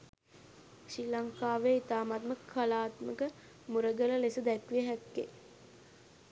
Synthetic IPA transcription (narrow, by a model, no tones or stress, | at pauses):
ʃilaŋkaːʋeit̪aːmat̪məkʰːalaːt̪məkə | muɾəɡələlesəd̪ɛkʋijəɦækːḛ